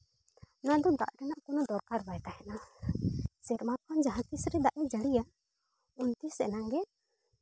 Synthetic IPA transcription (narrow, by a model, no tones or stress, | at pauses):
nad̪ɔd̪a̰ʔɾɛnaʔkɔnɔd̪ɔɾkaɾbajt̪ahɛna | sɛɾmakʰɔnd͡ʒaɦãt̪isɾɛd̪aʔɛd͡ʒaɽija | unt̪isɛnaŋɡɛ